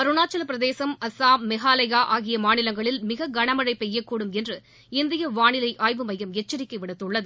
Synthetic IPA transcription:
pɐɾɯɳaːt͡ʃːɐlpɪɾɐðeːsɐmɐsaːmɛɣaːlɐjaːʔaːɣɪjɐmaːnɪlɐŋɡɐɭɪlmɪɣɐɡɐɳɐmɐɻɐɪpːɛjːɐkːuːɽɯmɛndrɯ | ɪnd̪ɪjɐʋaːɳɪlɐɪʔaːjʋɯmɐjɐmɛt͡ʃːɐɾɪkːɐʋɪɽɐt̪ːɯɭːɐðɯ

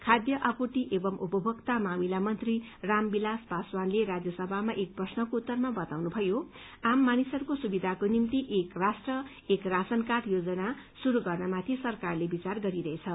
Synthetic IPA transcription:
kʰad̪jʌʔʌkuʈiʔebʌmʔupʌbʱʌkt̪amamilamʌnt̪ri | rambilaspaswanleɾad͡zjʌsʌbʱamaʔek̚prʌsnʌkout̪ːʌrmabʌt̪awnubʱʌjo | amːanisʌɾukosubid̪ʱakonimt̪iʔekrasʈrʌ | ekrasʌnkaʈjod͡zʌna | suɾuɡʌrnamat̪ʰisʌrkarlebit͡sarɡʌɾiɾʌɦet͡sʰʌ

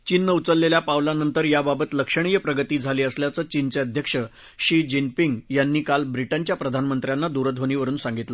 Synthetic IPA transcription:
t͡ɕinːəut͡səlːeljapawlanənt̪əɾjababət̪ləkʂəɳ̃ijəpɾəɡət̪iːd͡zʱaliːəsljat͡səːt͡ɕint͡seəd̪ʱjəkʂə | ɕid͡ʑinpiŋɡjanːiːkalbɾiʈəɲt͡ɕjapɾəd̪ʱanmənt̪ɾjanːad̪uɾəd̪ʱoñiːʋəɾuːnsaŋɡit̪lə

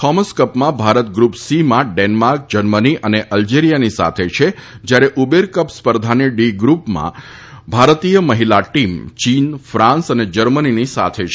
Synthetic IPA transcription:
kʰɔməskəpmãbʱaɾət̪ɡɾupsimãɖenmaɾk̚d͡ʒəɾməniʔəneʔəld͡ʒeɾijanisa̰t̪ʰet͡ʃʰed͡ʒjaɾeʔubeɾkəpspəɾd̪ʱaniɖiɡɾupmã̰ | bʱaɾt̪ijəməɦilaʈimt͡ʃinfɾãnsəned͡ʒəɾməninisa̰t̪ʰet͡ʃʰe

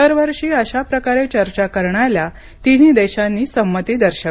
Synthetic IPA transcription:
əɾʋəɾʂiːəɕapɾəkaɾet͡ɕəɾt͡ɕakəɾɳalja | t̪iniːd̪ɛɕãnːiːsəmːət̪iːd̪əɾɕə

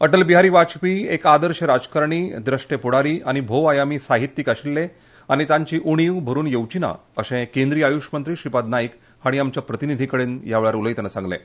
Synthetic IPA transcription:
əʈəlbiɦaɾiːʋat͡ɕpiːekad̪əɾɕəɾad͡zkaɾɳ̃iːd̪ɾəʂʈepuɽaɾiːaɽ̃ibʱoʋajamiːsaɦit̪ːikaɕilːe | añit̪ãɲt͡ɕiːʔuɽ̃iʋbʱəɾuːnjəwt͡ɕina̰ | əsẽkẽnd̪ɾiːajuʂmənt̪ɾiːɕipad̪naik | haɽ̃iamt͡ɕjapɾət̪inid̪ʱikəɽeːnjaʋɭaɾuləjt̪nəsãŋɡlḛ

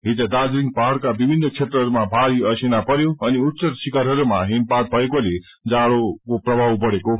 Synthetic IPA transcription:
ɦit̪ʌd̪ad͡zɾiŋɡ̚paɽkabibʱinːʌt͡sʰet̪rʌɦʌɾumabʱaɾiʌsinapʌɾjoʌniut̪ːsʌɾsikaɾɦʌɾumaɦinpaʈ̪̚bʱʌekole | d͡zaɽokoprʌbʱawpʌɽeko

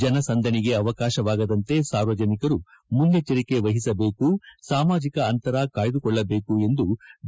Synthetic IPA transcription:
d͡ʒɐnɐsɐnd̪ʱɐniɡe̞ɐʋɐkaːʃɐʋaːɡɐd̪ɐnt̪esaːɾʋɐd͡ʒɐnikɐɾu | muljɐt͡ʃɐɾike̞ʋɐɦisɐbe̞ːkusaːmaːd͡ʒikɐɐnt̪ɐɾakaːjid̪ukɔɭːɐbe̞ːkue̞nd̪u

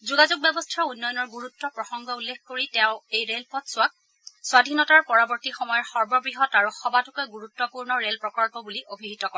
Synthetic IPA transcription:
zuɡazuk̚bɛbɔstʰaunːɔjɔnɔɹɡuɹutːɔpɹɔxɔŋɡʱɔulːexkoɹitɛʊ̃ejɹelpɔtsʊak̚ | swadʱinɔtaɹpɔɹabɔɹtixɔmɔjɔɹxɔɹbɔbɹiɦɔtaɹuxɔbatʊkeɡuɹutːɔpuɹnɔɹelpɹɔkɔɹpɔbuliʔobʱiɦitɔkɔɛ

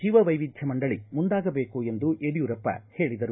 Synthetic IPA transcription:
d͡ʒiːʋɐʋɐjʋid̪ʱjɐmɐɳɖɐɭimund̪aːɡɐbe̞ːkue̞nd̪uʔeɽijuɾɐpːɐ̰he̞ːɭid̪ɐɾu

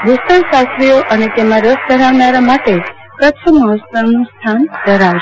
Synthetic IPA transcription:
ɡʱust̪əɾsast̪ɾijoʔənet̪emãɾəsd̪ʱəɾaʋnaɾamaʈe | kət͡ʃʰəməɦəst̪əɾnũst̪ʰand̪ʱəɾaʋʃe

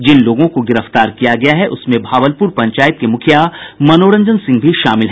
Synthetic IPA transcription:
d͡ʒɪnloːɡõkoɡɪɾəft̪aːɾkijaɡɐjaɦɛʔʊsmẽbʱaːʋəlpuɾpɐ̃ɲt͡ʃaːjət̪̚kemʊkʰjamɐnoːɽə̃ɲd͡ʒənsɪ̃ŋɡbʱiʃa̰ːmɪlɦɛː

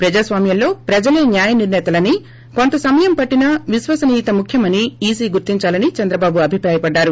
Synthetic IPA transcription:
pɾɐd͡ʒaːsʋaːmjɐmlo̞ːpɾɐd͡ʒɐleːnjaːjɐniɾnɛːt̪ɐlɐni | kont̪ɐsɐmɐjɐmpɐʈːinɐʋisʋɐsɐnit̪ɐmukʰjɐmɐniiːsiːɡuɾt̪iɲt͡ʃaːlɐnit͡ʃɐnd̪ɾɐbaːbuɐbʱipɾaːjɐpɐɖːaːɾu

